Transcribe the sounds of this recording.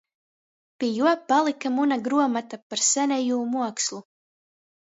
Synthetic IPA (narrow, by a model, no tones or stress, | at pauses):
pʲiɛjuɔpalˠikamunaɡɾuɔmat̪apaɾsænʲɛjuːmuɔkslˠu